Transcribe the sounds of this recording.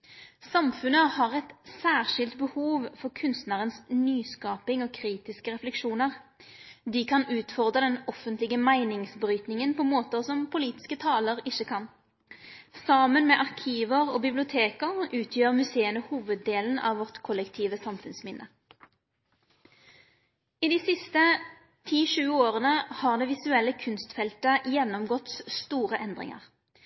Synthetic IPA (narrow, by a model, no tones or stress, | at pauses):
sɑmfʉnəhɑʁɛt̪sæːʁʃɪlt̪bəhuːʋfɔʁkʰʉnst̪næːʁənsnyːskɑːpɪŋɔːkʰʁiːt̪ɪskəʁɛflɛkʂuːnəʁ | d̪ikʰɑnʉːt̪fɔʁd̪ʁəd̪ɛnɔfənt̪lɪɡəmæɪnɪŋsbʁyːt̪nɪŋənpʰɔmoːt̪əʁsɔmpʰʊliːt̪ɪ̥skət̪ʰɑːləʁɪçəkʰɑn | sɑmənmɛʔɑʁkʰiːʋəʁoːbɪblɪʊt̪ʰeːkəʁʉːt̪ʰjøːʁmʉseːənəhuːʋəd̪ːeːln̩ɑ̰ːʋʋɔʁt̪kʰɔlːɛkt̪ʰiːʋəsɑmfʉnsmɪnːʔə̰ | ɪd̪iːsɪst̪ə | t̪ʰiːʃʉːoːʁənəhɑʁd̪ɛːʋɪsʉɛlːəkʰʉnst̪fɛlt̪əjɛnːɔmɡɔt̪sst̪uːʁəʔɛnd̪ʁɪ̰ŋə̰ʁ